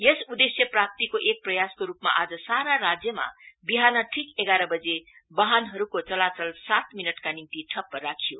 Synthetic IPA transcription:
jesud̪esjʌprak̚t̪ikoʔek̚prʌjaskoɾupma̰ʔad͡zʌsaɾaɾad͡zjʌma̰biɦanʌʈʰikeɡaɾʌbʌd͡ze | bʌɦanɦʌɾukot͡sʌlat͡sʌlsat̪minʌʈkanimt̪iʈʰʌpːʌɾakʰijo

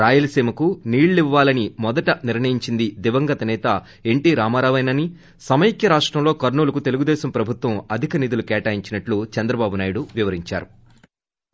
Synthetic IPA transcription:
ɾaːjɐlɐsiːmɐkuniːɭːiʋːaːlɐnimɔd̪ɐʈɐniɾɳɐjiɲt͡ʃind̪id̪iʋɐŋɡɐt̪ɐnɛːt̪ɐ | e̞ɳʈiːɾaːmaːɾaːʋɐjnɐni | sɐmɐjikjɐɾaːʂʈɾɐmlo̞ːkɐɾɳuːlɐkut̪e̞luɡud̪ɛːʃɐmpɾɐbʱut̪ʋɐmɐd̪ʱikɐnid̪ulukɛːʈaːjiɲt͡ʃinɐʈlut͡ʃɛnd̪ɾɐbaːbunaːjuɽuʋiʋɐɾiɲt͡ʃa̰ːɾu

